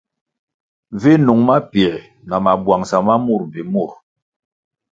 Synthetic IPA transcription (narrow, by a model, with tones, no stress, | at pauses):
vi˦nu˨ŋma˦pi˨ɛ˨ | na˨ma˨bwa˨ŋsa˨ma˦mu˦˨ɾvi˨mu˦˨ɾ